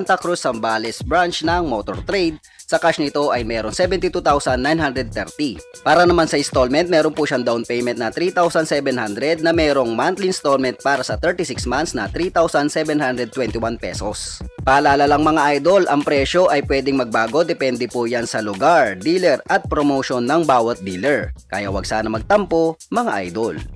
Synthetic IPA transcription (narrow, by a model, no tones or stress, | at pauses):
nt̪ɐkɾusɐmbaːlɛsbɹant͡ʃnɐŋmot̪o̰ɹt̪ɾejd̪̚ | sɐkaʃnɪt̪o̞ʔɐjmɛːɾoŋsɛbɛnt̪it̪uːt̪awsɐnːajnɦand̪ɾɛd̪̚t̪ɛɹt̪i | paːɾɐnɐmansɐɪst̪olmɛnt̪̚mɛːɾonpʊʃaŋd̪awnpɛjmɛnt̪nɐt̪ɾiːt̪awsɐnsɛbɛnhand̪ɾɛd̪̚nɐmɛːɾo̞ŋmant̪linst̪olmɛnt̪̚paːɾɐsɐt̪ɛɹt̪isɪksmant̪snɐt̪ɾiːt̪awsɐnsɛbɛnhand̪ɾɛd̪̚t̪wɛnt̪ɪwanpɛ̰so̰spaːlaːlalɐŋmɐŋaʔajd̪o̞lʔɐŋpɾɛʃo̞ʔɐjpwɛd̪ɪŋmɐɡ̚baːɡo̞d̪ɛpɛnd̪ɪpujansɐlʊɡaɹd̪iːlɛɹɐt̪̚pɾomowʃonːɐŋbaːwɐt̪̚d̪iːlɛɹkaːjɐwɐ̰ɡsaːnɐmɐɡ̚t̪ɐmpomɐŋa̰ʔa̰jd̪ol